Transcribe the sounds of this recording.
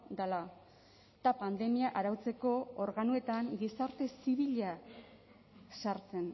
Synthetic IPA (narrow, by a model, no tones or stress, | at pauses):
d̪ala | t̪apand̪e̞miaʔaɾawt͡se̞ko̞oɾɣanue̞t̪aŋɡisaɾt̪e̞siβiʎa | saɾt͡se̞n